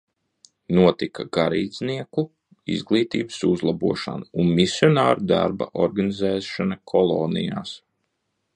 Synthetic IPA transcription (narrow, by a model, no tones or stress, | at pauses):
nuɔt̪ikaɡaɾiːd̪sniɛku | ḭzɡlˠiːt̪iːbɨsuzlˠabuɔʃa̰nuunmisjɔnaːɾud̪a̰ɾba̰ʔɔɾɡanizɛːʃanakʰɔlˠoːnija̰ːs